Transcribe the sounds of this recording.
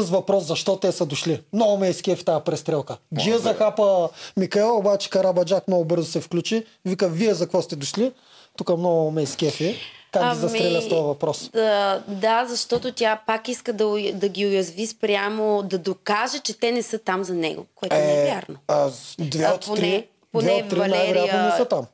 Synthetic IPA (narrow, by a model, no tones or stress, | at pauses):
əsvɐpɾɔszɐʃt̪ɔt̪ɛsəd̪ʊʃlimnɔɡʊmɛjskʲɛfi̥t̪aəpɾɛst̪ɾɛlˠkəd͡ʒiəzɐkapəmikɐɛlˠobat͡ʃɛ̥kɐɾabɐd͡ʒakmnɔɡʊbɤɾzʊsɛfklʲut͡ʃi | vikəviɛzɐkvɔst̪ɛd̪ʊʃli | t̪ukəmnɔɡʊmɛjskʲɛfikak̪aiɐsmiɾɾɛlʲəst̪ɔjɐvɐpɾɔs | d̪azɐʃt̪ɔt̪ot̪ʲjapakiskəd̪ɐd̪ɐɡʲiʊjɐzvispɾʲjamod̪ɐd̪okaʒət͡ʃɛt̪ɛnɛsɤt̪amzɐnɛ̰ɡo̰koɛɛɛjaɾnoad̪vɛot̪poɾɛ | pod̪vɛːɾiɐnajvɛɾjannɛsət̪am